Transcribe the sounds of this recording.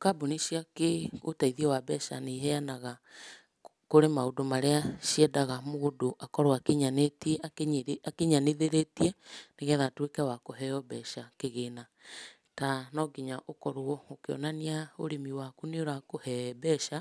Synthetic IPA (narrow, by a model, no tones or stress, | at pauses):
kaboniʃiakeotaiðiɛwabɛʃa̰neɦɛanaɣa | koɾemaodomaɾeaʃiɛdaɣamoɣodoʔakɔɾoakeɲanetiɛakeɲaneðeɾetiɛneɣɛðatwekɛwakoɦɛɔbɛʃakeɣeːna | tanɔɡiɲaʔokɔɾoɔokeɔ̰naniaoɾemiwakuneoɾakohɛbɛʃa